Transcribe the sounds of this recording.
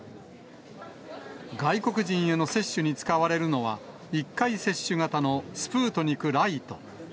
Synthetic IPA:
ɡaiko̞kɯ̟ʑĩɰ̃eno̞se̞ɕːɨɲ̟it͡sɨ̥kaβaɾe̞ɾɯ̟no̞βa | ikːaise̞ɕːɨŋat̪ano̞sɨ̥pɯːt̪o̞ɲ̟ikɯ̟ɾait̪o̞

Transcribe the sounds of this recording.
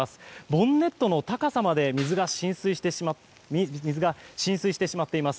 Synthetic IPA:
asɨ̥bõ̞nːe̞t̪ːo̞no̞t̪akasamad̪e̞mʲizɨɡaɕĩɰ̃sɨit̪ | izɨɡaɕĩɰ̃sɨiɕi̥t̪e̞ɕimat̪ːe̞imasɨ̥

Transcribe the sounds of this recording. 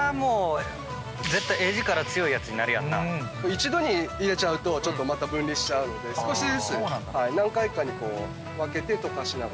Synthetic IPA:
amoː | d͡ze̞t̪ːajeːʑikaɾat͡sɨjo̞ijat͡sɨɲ̟inaɾɯjãnːa̰koːit͡ɕid̪o̞ɲ̟iːɾe̞t͡ɕaɯ̟t̪o̞t͡ɕo̞t̪ːo̞mat̪abɯ̟̃nɾʲiɕi̥t͡ɕaɯ̟no̞d̪e̞sɨ̥ko̞ɕid̪esɨnhainãŋkaikaɲ̟ːiko̞ː | βake̞t̪e̞t̪o̞kaɕina

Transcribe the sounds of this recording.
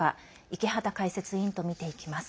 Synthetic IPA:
a | ikʲiɦat̪akaise̞t͡sɨĩnt̪o̞mʲit̪e̞ikʲi̥masɨ̥

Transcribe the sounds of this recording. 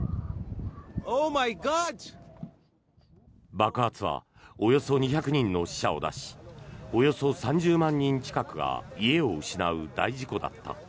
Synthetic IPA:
oːmajɡɑd | bakɯ̟at͡sɨβa̰ | o̞jo̞so̞ɲ̟içakɯ̟ɲ̟ĩnːo̞ɕi̥ɕao̞̰d̪a̰ɕi̥o̞jo̞so̞sãɲ̟d͡ʑɨːmãɲ̟ːĩɲ̟t͡ɕi̥kakɯ̟ɡa̰ie̞o̞ɯ̟ɕinaɯ̟d̪a̰iʑiko̞d̪a̰t̪ːa̰

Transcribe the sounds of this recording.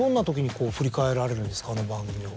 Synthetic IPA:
õ̞nːat̪o̞kʲiɲ̟iko̞ːɸɯ̟ɾʲikae̞ɾaɾe̞ɾɯ̟̃nd̪e̞sɨ̥kaːnobãŋɡɯ̟mʲio

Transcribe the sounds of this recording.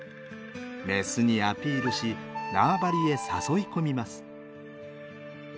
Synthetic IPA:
ɾe̞sɨɲ̟iapʲiːɾɯ̟ɕinaːbaɾʲie̞saso̞iko̞mʲimasɨ̥

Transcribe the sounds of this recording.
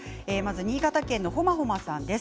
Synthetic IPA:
e̞ːmazɨɲ̟iːɡat̪akẽ̞nːo̞ɦo̞maɦo̞masãnd̪e̞s

